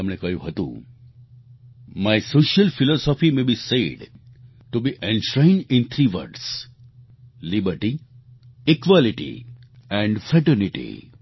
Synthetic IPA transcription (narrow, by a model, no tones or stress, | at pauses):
ɐmɽekʌjṵ̃ɦət̪ṵ̃ | maɪsoːʃəlfilɔsɔfimebiseɖ | ʈubiʔɛ̃nʃɾẽɪ̃nɖɪ̃nt̪ʰɾiːʋə̰ɾɖs | libəɾʈi | ikʋɔliʈḭ | ɛ̃ɳɖfɾɛʈəɾniʈḭ